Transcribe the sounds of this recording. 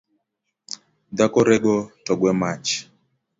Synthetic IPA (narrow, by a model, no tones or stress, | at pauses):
d̪akɔɾɛɡɔtɔɡwɛmat͡ʃ